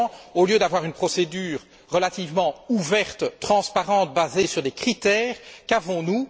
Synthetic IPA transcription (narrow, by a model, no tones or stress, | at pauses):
oljød̪avwaʁynpχɔsed̪yːʁː | əlat̪ivmɑ̃uvɛʁt̪t̪χɑ̃spaʁɑ̃t̪̚bazesyʁd̪ɛkχit̪ɛːʁkavɔ̃nu